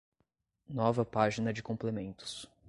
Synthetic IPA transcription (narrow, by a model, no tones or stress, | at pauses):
nɔvɐpaʒinɐd͡ʒɪkõplemẽnt̪ʊ̥s